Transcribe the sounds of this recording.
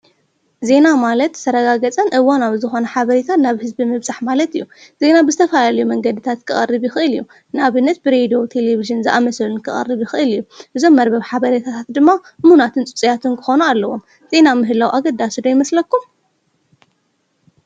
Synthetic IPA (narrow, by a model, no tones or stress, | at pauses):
ze̞namalɐt̪sɐɾɐɡaɡɐt͡sʼɐnʔɨwanaβzɨxo̞nɐħaβɐɾit̪ʰat̪naβhɨzbimɨβzaħmalɐt̪ɨjːuz̥e̞nabɨzɨt̪ʰɐfɐlalɐjumɐŋɡɐd̪ɨt̪ʰat̪kʰɨχʼɐ̰rːɨβjɪxɨʔɨlɨjːu | naβɨnːɐt̪̚bɨɾe̞d̪ijo̞t̪ʰe̞leβiʒɨnzɨʔa̰mɐsɐlunkʰɨχʼɐ̰rːɨβjixɨʔɨlɨjːuʔɨzo̞mːɐɾbɐβħaβɐɾit̪ʰat̪ʰat̪d̪ɨmːamhunat̪ʰɨnt͡sʼɨt͡sʼijat̪ʰunkʰɨxo̞nualːɐwo̞m | z̥e̞namɨɦɨlawʔaɡɐd̪aʃd̪ojɪmɐslɐkːum